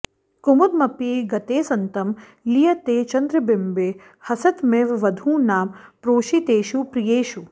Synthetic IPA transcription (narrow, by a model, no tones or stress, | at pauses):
kʊmud̪mɐpiɡɐt̪eːsɐnt̪ɐm | lijɐt̪eːt͡ʃɐnd̪ɾɐbɪmbeː | hɐsɐt̪meːʋʋɐd̪ʱũːnaːmpɾoːʃit̪eːʃupɾijeːʃu